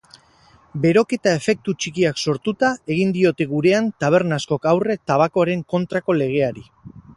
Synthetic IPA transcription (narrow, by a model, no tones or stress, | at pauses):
be̞ɾo̞ke̞t̪ae̞fe̞k̚t̪ut͡ʃikiakso̞ɾt̪ut̪ae̞ɣ̞ind̪io̞t̪e̞ɣuɾe̞ant̪aβ̞e̞ɾnasko̞kawre̞t̪aβako̞aɾe̞ŋko̞nt̪ɾako̞le̞ɣ̞e̞aɾi